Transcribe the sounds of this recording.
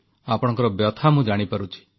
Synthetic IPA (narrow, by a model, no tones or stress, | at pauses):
apɔɽ̃ɔ̃ŋkɔɾɔbjɔt̪ʰamũd͡ʒaɽ̃ipaɾut͡ʃʰi̥